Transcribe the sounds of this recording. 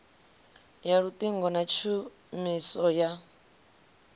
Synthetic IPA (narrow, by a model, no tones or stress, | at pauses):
jaɺut̪ʼiŋɡɔnat͡ʃʰu | misɔja